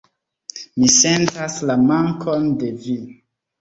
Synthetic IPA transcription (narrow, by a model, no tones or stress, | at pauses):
misentaslamaŋkʰonde̞vi